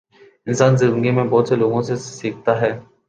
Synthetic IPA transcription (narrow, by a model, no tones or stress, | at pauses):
ɪnsaːnzɪ̃nd̪ɡemẽbɔːt̪seloːɡõsesiːk̚ʰt̪aɦɛː